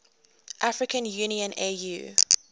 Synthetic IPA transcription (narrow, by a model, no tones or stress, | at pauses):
ʔafɹɪkə̃njuːniə̃nejṵː